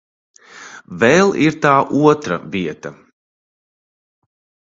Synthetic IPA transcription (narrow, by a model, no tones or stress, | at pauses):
vɛlˠiɾt̪aːʔuɔt̪ɾɐ̰viɛt̪ɐ